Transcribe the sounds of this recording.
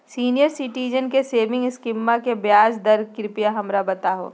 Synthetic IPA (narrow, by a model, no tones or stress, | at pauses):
siːnijəɾsɪʈiːd͡ʒənkeseːʋɪ̃ŋɡɪskɪmːakebjaːd͡ʒd̪ɐɾkɪɾɪpijaɦɐmɾabɐt̪aɦo̰ː